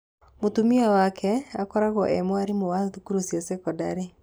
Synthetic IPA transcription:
motumiawakʰɛakɔɾaɣɔʔɛmwaɾimowaðukuɾusjɔsekɔdaɾe

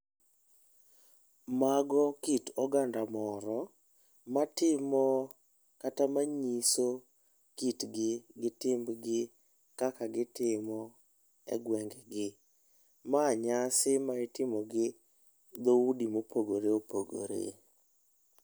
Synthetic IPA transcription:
maɡɔkitɔɡandamɔɾɔ | matɪmɔ | katamaɲiso | kitɡɪɡɪtɪmbɡɪ | kakaɡɪtɪmɔ | ɛ̰ɡwɛŋɡɛɡɪ | maɲasɪmaɪtɪmɔɡɪ | d̪oudimopoɡoɾeopoɡo̰ɾḛ

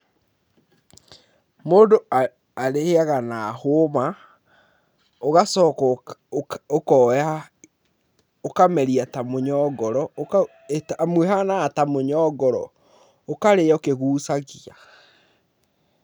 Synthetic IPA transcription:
moːndoa | aɾeheaɣanaːhoma | oɣasɔk | okɔa | okamɛɾiatamoɲɔɡɔɾɔ | tːmweɦanaːtamoɲɔɡɔɾɔ̰ | okaɾeokeɣuːsaɣia

